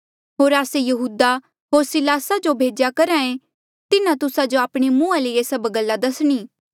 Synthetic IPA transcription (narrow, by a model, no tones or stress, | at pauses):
ɦoːɾaːsejɐɦuːd̪a | ɦoːɾsɪlaːsad͡ʒobʱeːd͡ʒjakɐɾãːẽ | t̪ɪnãt̪ʊsad͡ʒoaːpɽ̃imũːaleesəbɡəlːad̪ɐsɽ̃iː